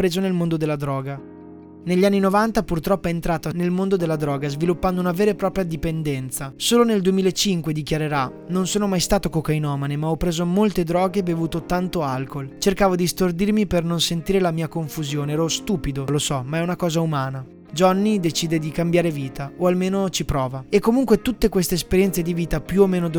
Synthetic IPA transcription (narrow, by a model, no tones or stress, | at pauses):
pːɾeːzonelmond̪od̪elːad̪ɾɔːɡa | neʎːianːinovant̪apurt̪ɾɔpːoɛent̪ɾaːt̪anelmond̪od̪elːad̪ɾɔːɡazvilupːand̪ounaveːɾepɾɔːpɾjad̪ipend̪ɛnt̪sasoːloneld̪uemiːlaet͡ʃiŋkwed̪ikjaɾeɾa | nonsoːnomajst̪aːt̪okokajnɔːmanemaɔpːɾeːzomolt̪ed̪ɾɔːɡebevuːt̪ot̪ant̪oalkolt͡ʃerkaːvod̪ist̪ord̪irmipernonsent̪iːɾelamiːakoɱfuzjoːneɛːɾɔst̪uːpid̪olosɔmaɛunakɔːzaumaːna | d͡ʒɔnːid̪et͡ʃiːd̪ed̪ikambjaːɾeviːt̪aoalmeːnot͡ʃipɾɔːvaekːomuŋkwet̪ut̪ːekwest̪eːspeɾjɛnt̪sed̪iviːt̪apjuomːeːnod̪